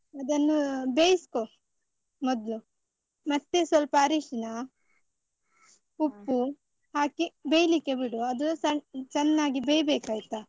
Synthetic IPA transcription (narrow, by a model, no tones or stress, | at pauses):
ɐd̪ɐnːubeːjisko | mɔd̪lu | mɐt̪ːesɐlpaːɾiːʂɐnɐ | upːu | haːkibejlikːebiɽuɐd̪uɐt͡ʃɐnːaːɡibejbeːkaːjit̪a